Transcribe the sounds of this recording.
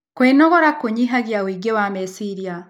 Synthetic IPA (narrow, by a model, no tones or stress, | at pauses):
kweːnoɣoɾakuɲiɦaɡjawiɡewamesiɾija